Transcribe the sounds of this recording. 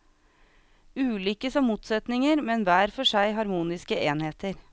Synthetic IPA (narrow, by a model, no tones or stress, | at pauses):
ʉːlʏkəsɔmuːt̪sɛt̪nɪŋəɾmɛnʋæːɾfɔʂæɪɦɑɾmuːnɪskəeːnheːt̪əɾ